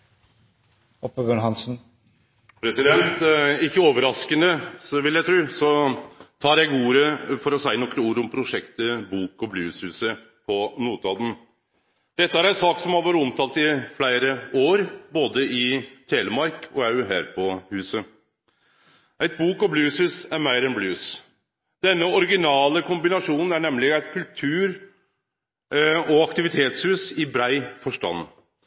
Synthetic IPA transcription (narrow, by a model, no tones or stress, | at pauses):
ɔpːəbœːɳɦɑnsn̩ | pʰɾɛsɪd̪ɛnt̪ɪçːəoːʋəɾɑskənəsɔʋɪljæɪt̪ʰɾʉːsɔt̪ʰɑːɾjæɡuːɾəfɔɾɔsæɪənɔkːɾəuːɾʊmpʰɾʊʂɛkt̪əbuːkɔblʉːshʉːsə | pʰɔnuːt̪ɑːd̪n̩ | d̪̥ɛt̪ːəæɾæɪnsɑːksɔmhɑɾʋɑɾəɔmt̪ʰɑːlt̪ɪflæɪɾəoːɾboːd̪əɪt̪ʰeːləmɑɾkɔ̰æɦæ̰ːɾpʰɔhʉːsə | ʔæɪt̪̚buːkɔblʉːshʉːsæɾmæɪɾɛnblʉːs | d̪̥ɛnːəɔɾɡɪnɑːləkʰʊmbɪnɑʂuːnn̩æɳɛmlɪæɪt̪kʰʉlt̪ʰʉːɾ | ɔɑkt̪ɪʋɪt̪ʰeːt̪shʉːsɪbɾæɪfɔʂʈɑ̰nː